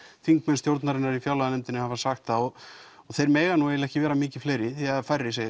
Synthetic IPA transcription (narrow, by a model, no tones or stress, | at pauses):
θiŋk̚mɛnst̪jowɾt̪naɾɪnaɾifjawlaðanɛjmt̪ɪnɪhavasaxt̪θaɔɣ | ɔɣθejɾmɛːɣanuɛjlɛhcɪvɛːɾamɪːcɪfleːjɾɪθiafajrːɪse